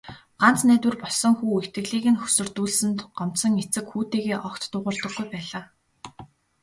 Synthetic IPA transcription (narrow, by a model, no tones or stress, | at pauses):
ɢ̥an̥t͡snæːt̪wɘ̆rpɔɮsɞ̆ŋxuːext̪̚ɡɘ̆ɣɮiːɣɘ̆nxɵ̥sɵ̆r̥t̪uːɮsɘ̆nt̪ɢɔm̥sɞ̆ŋet͡sɘ̆kxuːt̪eːɣeːʔɔkt̪ːʊːʁʊ̆ːrt̪ɞ̆ɡːujpæːɮaː